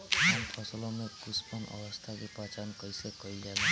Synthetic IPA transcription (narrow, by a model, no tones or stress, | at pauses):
anpʰɔsɔlɔmekuspanʔɔ̰bɔst̪ʰakipat͡ʃankɔjsekɔid͡ʒan